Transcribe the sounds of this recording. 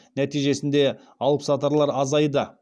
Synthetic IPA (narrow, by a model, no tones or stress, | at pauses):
næt̪ijʒe̞sɪnd̪e̞ | ɑw̪ˠəpsɑt̪ɑɾlˠɑɾɑzɑjd̪ə